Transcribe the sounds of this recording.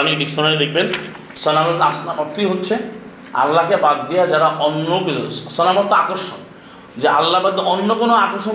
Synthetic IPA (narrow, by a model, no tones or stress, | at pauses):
anikɖiksɔnaɾiɾekʰben | sɔnamɔɾt̪asnamɔt̪iɦot̪ːt͡ʃʰe | a̰lːakabad̪d̪iad͡ʒaɾaʔɔnːɔkisɔnamɔɾt̪ɔakɔɾsɔ | d͡ʒeʔalːabad̪ɔɔnːɔpunɔakɔɾsɔ